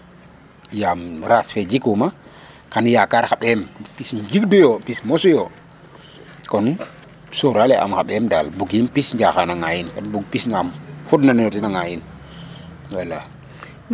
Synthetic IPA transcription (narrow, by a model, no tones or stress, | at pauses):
jamɾasfed͡ʒikuma | kanjakaɾxaɓɛmpisɲd͡ʒikdujopismosujo | kɔn | soɾaleʔa̰mkaɓɛmdalbuɡimpisɲd͡ʒaxanaŋajinkanbuɡ̚pisnamfudnantinaŋajin | wala